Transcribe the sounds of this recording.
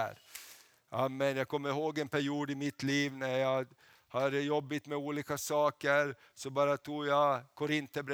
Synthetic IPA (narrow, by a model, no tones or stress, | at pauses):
ɾ | ʔamːɛnjɑːɡkʰɔmːəɾɦoːɡɛnpʰæɾjuːd̪ɪmɪt̪liːvnæɾjɑ | had̪əjɔbːɪt̪mɛuːliːkasɑːkəɾ | sɔbɑːɾat̪ʰuːjakʰʊɾɪnt̪əbɾɛ